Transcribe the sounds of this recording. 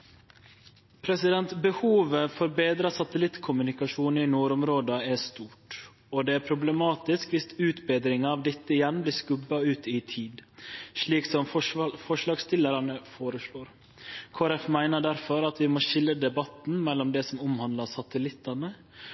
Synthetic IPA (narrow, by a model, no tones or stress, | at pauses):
pʰɾɛsɪd̪ɛnt̪bəhuːʋəfɔɾbeːd̪ɾɑsɑt̪əlɪt̪kʰʊmʉnɪkɑʂuːnɪnuːɾʊmɾoːd̪ɑæst̪uːʈ | ɔd̪ɛːæːɾpʰɾʊblɛmɑːt̪ɪskʋɪst̪ʉːt̪beːd̪ɾɪŋɑɑʋd̪ɛt̪ːəɪjɛnbliːskʉbɑʉːt̪ɪt̪ʰiːd̪ʂɭiːksɔmffɔʂlɑːɡst̪ɪləɾɑnəfoːɾəʂloːɾ | kʰoːɾɛfmæɪnəɖæɾfɔɾɑt̪ʋɪmoːʃɪlːəd̪ɛbɑt̪n̩mɛlːɔmd̪ɛːsɔmʊmhɑnd̪lɑsɑt̪əlɪt̪ːɑnə